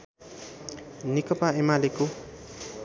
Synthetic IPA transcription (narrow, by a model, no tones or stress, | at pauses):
nikʌpaemaleko